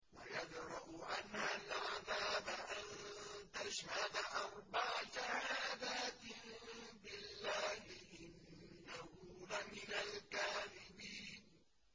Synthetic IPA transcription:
wajad͡ʒɾˤɑʔʔanhalʕaðaːbaʔant̪aʃhad̪aʔɑɾˤbaʕʃahaaːd̪aːt̪ɪbɪlːaːhɪʔɪnnahuːlamɪnalkaːðɪbiːn

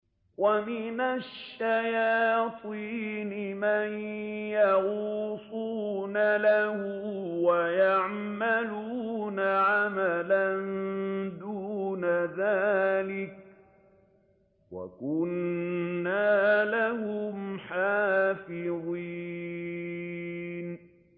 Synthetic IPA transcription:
wamɪnaʃːajɑːt̪ˤʰiːnɪmanjaɣuːsˤuːnalahʊ | wajaʕ | maluːnaʕamaland̪uːnaðaːlɪk̚ | wa̰kʊnː | aːlahʊmħaːfɪðˤi | n

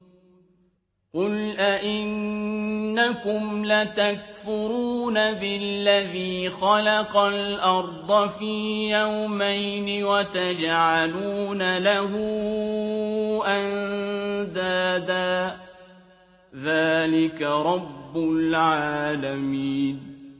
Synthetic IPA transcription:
qʊlʔaʔɪnː | akʊmlat̪ak̚fʊɾuːnabɪllːaðiːxɑlɑqɑlʔɑɾˤd̪ˤɑfiːjawmajnɪwat̪ad͡ʒʕaluːnalahʊ | ʔand̪aːd̪aː | ðaːlɪkaɾˤɑbːʊlʕaːlamiːn

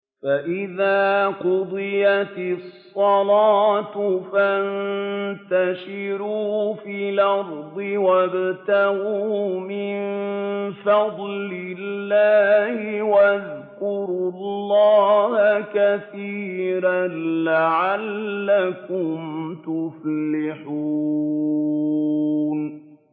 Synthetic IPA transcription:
faʔɪðaːqʊd̪ˤɨjat̪ɪssˤːɑlaɑːt̪ʊfant̪aʃɪɾuːfiːlɑɾd̪ˤɪwabt̪ahumɪnfɑd̪ˤlɪlːaːhɪwaðkʊɾulːɑːhakaθiːɾalaʕalːakʊmt̪ʊflɪħu | n

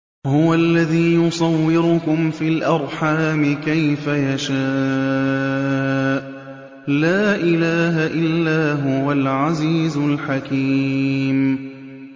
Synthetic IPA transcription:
hʊwalːaðiːjʊsˤɑwːɪɾʊkʊmfiːlʔɑɾˤħaːmɪkajfajaʃaː | ʔ | laːʔɪlaːɦaʔɪlːaːɦʊwalʕaziːzʊlħakiːm

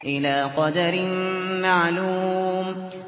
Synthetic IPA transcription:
ʔɪlaːqɑd̪aɾɪmmaʕluːm

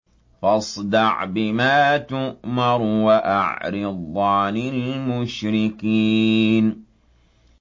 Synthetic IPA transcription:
fɑsˤd̪ɑʕbɪmaːt̪ʊʔmɑɾˤwaʔaʕɾɪd̪ˤːɑːlɪlmʊʃɾɪkiːn

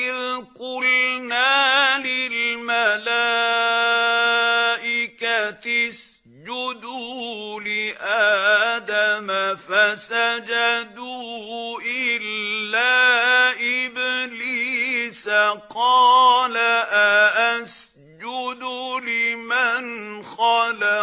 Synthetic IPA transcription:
ʔɪðkʊlnaːlɪlmala | ʔɪkat̪ɪs | d͡ʒʊd̪uːlɪʔad̪amafasad͡ʒad̪uːʔɪlːaːʔɪbliːsaqɑːlaʔaʔas | d͡ʒʊd̪ulɪmanxɑla

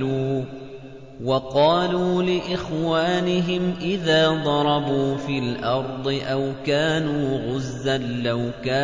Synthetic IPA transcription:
uː | wɑqɑːluːlɪʔɪxwaːnɪɦɪmʔɪðaːd̪ˤɑɾˤɑbuːfiːlʔɑɾˤd̪ˤɨʔawkaːnuːɣʊzːanlawkaː

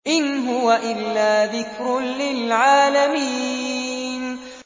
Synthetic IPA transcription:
ʔɪnɦʊwaʔɪlːaːðɪkɾʊnlɪlʕaːlamiː | n

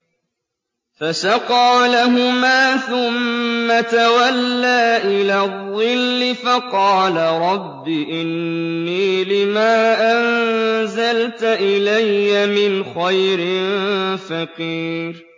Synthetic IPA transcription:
fasɑqɑːlaɦʊmaːθʊmːat̪awalːaːʔɪlaːðˤːɨlːɪfɑqɑːlaɾˤɑbːiʔɪnːiːlɪmaːʔanzalt̪ʔɪlajːamɪnxajɾɪnfɑqiːɾ

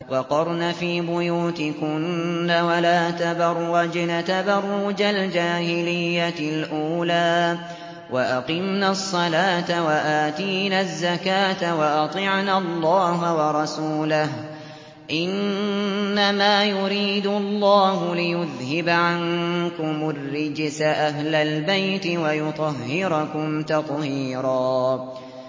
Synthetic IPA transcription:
wɑqɑɾˤnafiːbʊjuːt̪ɪkʊnːawalaːt̪abɑɾːad͡ʒnat̪abɑrˤːʊd͡ʒald͡ʒaːhɪlɪjːalʔuːlaː | waʔaqɪmnasˤːɑlaːt̪awaʔaːt̪iːnazːakaːt̪awɑʔɑt̪ˤɨʕnaɑlˤːɑːɦawɑɾˤɑsuːlaɦ | ʔɪnː | amaːjʊɾiːd̪ʊlˤːɑːɦʊlɪjʊðhɪbaʕankʊmʊrːɪd͡ʒsaʔaɦlalbajt̪ɪwajʊt̪ˤɑɦːɪɾʊkʊmt̪ɑt̪ˤhiːɾˤɑː

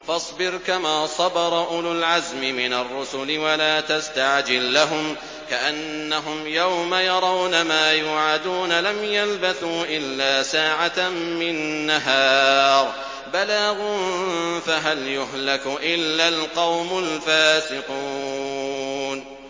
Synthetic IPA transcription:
fɑsˤbɪɾkamaːsˤɑbɑɾˤɑʔʊlʊlʕazmɪmɪnarˤːʊsʊlɪwalaːt̪ast̪aʕd͡ʒɪlːaɦʊm | kaʔanːaɦʊmjawmajɑɾˤɑwnamaːjuːʕad̪uːnalamjalbaθuːʔɪlːaːsaːʕatmɪnːaɦɑːɾˤ | balaːɣʊnfaɦaljʊɦlakʊʔɪlːalqɑwmʊlfaːsɪquː | n

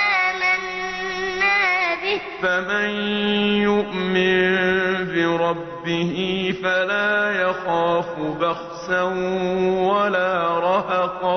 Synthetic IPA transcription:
ʔaːmanː | aːbɪh | famanjʊʔmɪnbɪɾˤɑbːɪhɪfalaːjaxaːfʊbaxsanwalaːɾˤɑɦɑqɑ

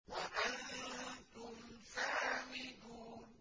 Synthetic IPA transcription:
waʔant̪ʊmsaːmɪduːn

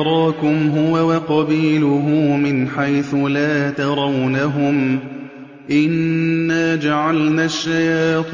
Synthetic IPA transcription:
ɾˤɑːkʊmɦʊwawɑqɑbiːlʊɦʊːmɪnħajθʊlaːt̪ɑɾˤɑwnaɦʊm | ʔɪnːaːd͡ʒaʕalnaːʃːajaːt̪

